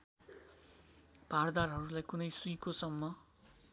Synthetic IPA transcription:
b̥ʱard̪arɦʌɾulajkunʌjsuikosʌmːʌ

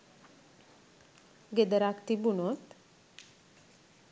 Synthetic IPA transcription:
ɡed̪əɾakt̪ibunot̪

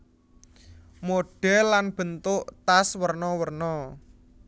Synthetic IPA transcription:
moɖ̥ɛlːanb̥ə̤nt̪ʊʔt̪aswərnɔwərnɔ

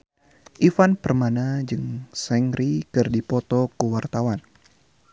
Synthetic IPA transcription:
ʔifanpərmanad͡ʒɨŋsɛŋɾikɨrdipɔt̪ɔkuwart̪awan

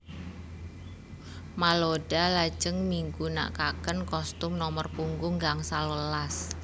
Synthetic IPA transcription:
maloɖ̥alḁd͡ʒəŋmiŋɡuna̰ʔkakənkɔst̪ʊmnɔmərpuŋɡʊŋɡaŋsaləlas

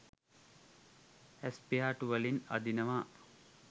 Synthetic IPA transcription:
espiaːʈuʋəlinɐ̰d̪inɐʋaː

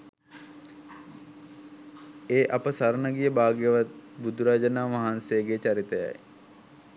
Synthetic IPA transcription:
eːʔapəsaɾnəɡijəbaːɡjəʋat̪̚bud̪uɾaːd͡ʒənaːmaɦansejəɡet͡ʃaɾit̪əja̰j

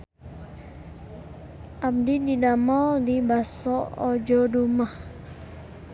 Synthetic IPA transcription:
ʔam̚dididamaldibasɔɔd͡ʒɔdumah

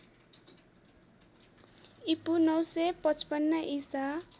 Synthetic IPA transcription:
ipunʌwsepʌt͡spʌnːʌʔisa

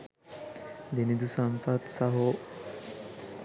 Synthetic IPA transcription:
d̪enid̪usampat̪saɦo

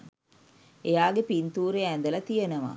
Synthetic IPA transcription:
ejaːɡepint̪uːɾeænd̪əlɐt̪ijenəʋa̰

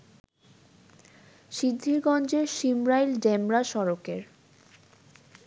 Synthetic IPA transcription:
ʃid̪ʱːiɾɡɔnd͡ʑeɾʃimɾajlɖemɾaʃɔɾokeɾ

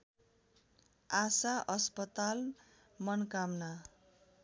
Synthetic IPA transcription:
asaʔʌspʌt̪al | mʌnkamna

